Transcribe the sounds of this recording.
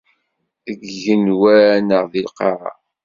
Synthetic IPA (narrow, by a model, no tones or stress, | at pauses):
əɡʝənwæɾænəʁðilqɑɾˤɑ̰